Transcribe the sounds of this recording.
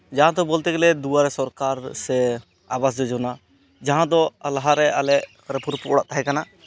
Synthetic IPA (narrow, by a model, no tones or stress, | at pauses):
d͡ʒaɦãd̪ɔbɔlt̪ɛɡɛlɛd̪uaɾɛsɔɾkaɾsɛ | abas̬d͡ʒɔd͡ʒɔna | d͡ʒaɦãd̪ɔalaɦaɾɛʔalɛʔ | ɾɛpuɾpɔʔɽaʔt̪aɦɛ̃kana